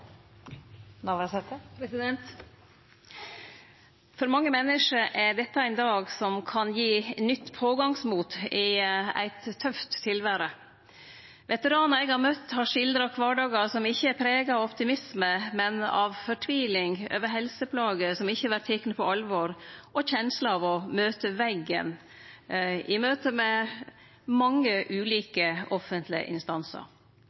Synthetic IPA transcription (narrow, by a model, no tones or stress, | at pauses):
nɑʋɛsɛt̪əpɾɛsɪd̪ɛnt̪ | fɔɾmɑŋːəmɛnːəʂəɾʔæɖɛt̪ːəæɪnd̪ɑːɡsɔmkʰɑnjiːnʏt̪ːpʰoːɡɑŋsmuːt̪ɪæ̰ɪt̪ʰːœft̪ʰːɪlʋæːɾə | ʋɛt̪əɾɑːnɑɛɡhɑɾmœt̪ːhɑʂɪld̪ɾəɑʋkʰʋɑːɖɑːɡəsɔmɪçːəæɾpʰɾeːɡɑɑʋɔpt̪ɪmɪsməmɛnɑ̰ʋfɔʈʰʋiːlɪŋø̰ːʋəɾɦɛlsəpʰlɑːɡəsɔmɪçːəʋæt̪ʰeknəpʰɔɑlʋɔɾʔɔçɛnsləɑʋɔmøːt̪əʋɛɡə̰n | ʔɪmøːt̪əmɛ | mɑŋːəʔʉːliːkəɔfənt̪lɪə̰ʔɪ̰nst̪ɑnsə̰ɾ